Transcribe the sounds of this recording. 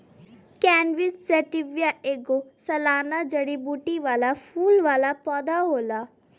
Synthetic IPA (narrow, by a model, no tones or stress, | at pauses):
kɛːnʋɪsːɛʈɪʋjaːʔeːɡoːsəlaːnad͡ʒəɽibuːʈiʋaːlaːpʰuːlʋaːlaːpɔːd̪aːɦoːlaː